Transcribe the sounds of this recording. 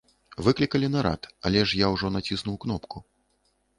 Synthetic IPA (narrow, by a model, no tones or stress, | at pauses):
vɨklʲikɐlʲinɐɾa̰t̪a̰lʲɛʂjawʐɔnat͡sʲisnuwknɔpku